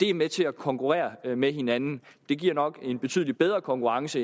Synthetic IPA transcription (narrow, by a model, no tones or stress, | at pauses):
d̥e̝æɐmet͡sʰe̝ækʰɒ̽ŋkʰuʁɛ̰ːɐmeɦe̝nænn̩ | d̥e̝ɡ̥iɐ̰nɒ̽ɡ̥e̝nb̥e̝t͡sʰy̰ðˠlid̥b̥eð̞ˠʁɐkʰɒ̽ŋkʰuʁɑ̈ŋsə